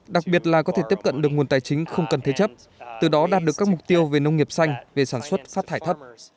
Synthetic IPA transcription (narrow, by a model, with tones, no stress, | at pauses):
ɗa˨˩k̚ɓi˨˩ət̚laː˨˩kɔ˨˦t̪ʰe˧˩t̪i˦˥əp̚kə̰˧˨nɗɨ˨˩ək̚ŋu˨˩ənt̪aː˨˩jt͡ɕï˨˦ŋ̟xə˧wŋ͡mkə˨˩nt̪ʰe˨˦t͡ɕə˦˥p̚ | t̪ɨ˨˩ɗɔ˨˦ɗaː˨˩t̚ɗɨ˨˩əkːaː˦˥k̚mʊ˨˩k̚t̪i˧əwve˨˩nə˧wŋ͡mŋi˨˩əp̚sa˧jŋ̟ve˨˩saː˧˩nswə˦˥t̚faː˦˥t̚t̪ʰːaː˧˩jt̪ʰə˦˥p̚